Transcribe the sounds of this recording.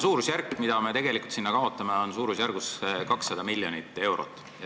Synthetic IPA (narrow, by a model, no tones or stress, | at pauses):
suːɾusjærkːmid̪ɑme̞t̪e̞ɡ̥e̞likult̪sinːɑkɑo̞t̪ˑːɑme̞o̞nsuːɾusjærɡ̥uskɑksːɑd̪̥ɑmilːjonit̪ːˑe̞wɾo̰t̪ːˑ | j